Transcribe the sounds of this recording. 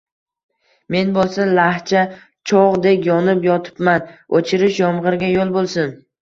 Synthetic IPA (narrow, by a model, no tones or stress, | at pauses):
me̞nbolˠsalaht͡ʃʰa | t͡ʃʰɒʁd̪ekʲjɒnɪpjɒt̪ʰɪ̥pmanot͡ʃʰɪɾɪʃjɒmʁɨɾɡʲajolˠbolˠsɪn